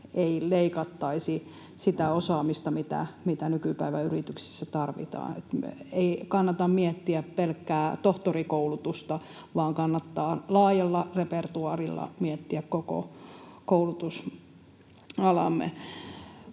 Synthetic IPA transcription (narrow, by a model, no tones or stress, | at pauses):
eileikɑt̪ːɑisi | sit̪æosɑːmist̪ɑmit̪æ̰mit̪ænykypæiʋæyrit̪yksi̥sːæt̪ɑrʋḭt̪ɑ̰ːnḛt̪meikɑnːɑt̪ɑmmiet̪ːiæppelkːæːt̪oht̪orikoulut̪ust̪ɑ | ʋɑːŋkɑnːɑt̪ːɑːlɑːjɑlːɑrepert̪uɑrilːɑ̰miɛt̪ːiækkoko̰koulut̪us | ɑlɑ̰mːˑḛ